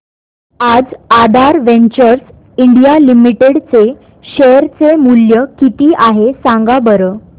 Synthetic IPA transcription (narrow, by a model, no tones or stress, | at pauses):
ad͡zad̪ʱaɾʋeɲt͡ɕəɾs | iɳɖijalimiʈeɽt͡se | ɕeɾt͡semuljəkit̪iːʔaɦesãŋɡabəɾəː